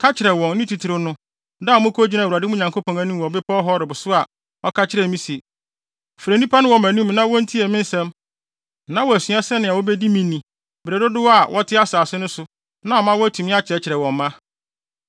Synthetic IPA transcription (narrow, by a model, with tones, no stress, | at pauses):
kʰa˦t͡ɕʰɪ˨ɾɛ˨wɔ̃˨nː˦ɪ̃˦tʰi˨tʰɪ˨ɾɪ˦nʊ̃˦ | da˦˨˦mʊ̃˦kʰo˦d͡ʑi˦nã˨a˨dɪ˦mʊ̃˦ɲã˨ŋkʰo˦pʰɔ̃˨ŋæ˨˦nũ˦m˨ɔ˨bɪ˦pʰɔ˦ɔ˦ɦɔ˦ɾɪ˨bʊ˨sʊ˦a˨ | ɔ˦kʰa˦t͡ɕʰɪ˦ɾɛ˨mĩ˦si˨e˨ | fɾæ˨nĩ˦pʰa˦nɪ̃˦wɔ˨mæ̃˨nũ˦m˦nã˦wɔ̃˦n̩˦tʰi˦ɛ˨mɪ̃˦n̩˦sɛ̃˦m˦ | nã˦wɔ˨æ˨sɥa˦sɛ˦nɪ̃˨a˨wo˦bɛ˦di˦mĩ˨nĩ˨ | be˨ɾe˨dʊ˦dɪ˦wɔ˦a˨wʔɔ˦tʰɪ˦a˦saː˨sʊ˦nʊ̃˦sʊ˨ | nã˦ɔ˨mã˦wɔ˦æ˦tʰũ˨mɪ̃˦a˦t͡ɕɪ˨ɾɛ˨t͡ɕʰɪ˨ɾɛ˨wɔ̃˨mː˦ã˦